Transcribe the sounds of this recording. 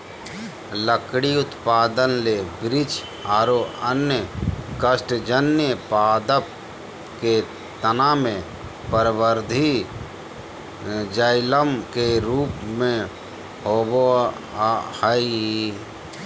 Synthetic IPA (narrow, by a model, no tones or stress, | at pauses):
ləkɽiʊt̪paːd̪ənleːbɾɪd͡ʒ | aːɾoənjəkəsʈd͡ʒənjəpaːd̪əp̚ | ke | t̪ənamẽ | pəɾwəɾd̪ʱi | d͡ʒəɪləmkeɾuːpmẽ | hobo | hai